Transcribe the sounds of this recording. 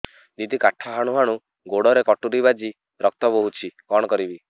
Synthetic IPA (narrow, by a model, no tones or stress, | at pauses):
nit̪ikaʈʰɔɦaɽ̃uɦaɽ̃u | ɡoɽɔɾekɔʈuɾibad͡ʒi | ɾɔk̚t̪ɔpoɦut͡ʃʰikɔɽ̃ɔkɔɾibi